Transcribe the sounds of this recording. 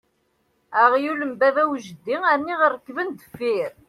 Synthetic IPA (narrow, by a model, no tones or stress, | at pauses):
æʁjuləmbævæwʒəd̪ːiæɾnːiʁəɾːəkːvənd̪əfːiɾ